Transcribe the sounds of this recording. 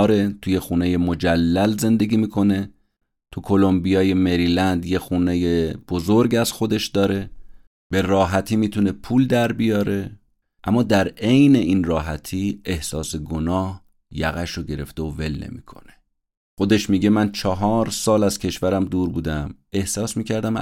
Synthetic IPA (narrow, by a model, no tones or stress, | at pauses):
ɾe̞t̪ʰuje̞xuːneje̞mo̞d͡ʒælːælze̞nd̪e̞ɡʲiːmiːkʰo̞ne̞ | t̪ʰukʰo̞lo̞mbijɒːje̞me̞ɾiːlænd̪je̞xuːne̞jeb̥o̞zoɾɟæz̥xo̞d̪e̞ʃd̪ɒːɾe̞ | b̥e̞ɾɒːɦæt̪ʰiːmiːt̪ʰune̞pʰuːld̪æɾbijɒːɾe̞ | ʔæmːɒːd̪æɾe̞jne̞ʔinrɒːɦæt̪ʰiːe̞hsɒːse̞ɡonɒːh | jæ̰ɣæʃoɟe̞ɾe̞ft̪eove̞lnḛmiːkʰo̰ne̥ | xo̞d̪e̞ʃmiːɟe̞mænt͡ʃʰɒɦɒːɾsɒːlæz̥cʰe̞ʃvæɾæmd̪uːɾbuːd̪æme̞hsɒːsmiːcʰæɾd̪æm